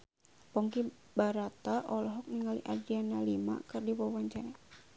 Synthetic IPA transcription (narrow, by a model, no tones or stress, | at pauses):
pɔŋki | baɾat̪aʔɔlɔɦɔk̚niŋaliʔard͡ʒianalima̰kɨrdiwɔwaɲt͡ʃanɛ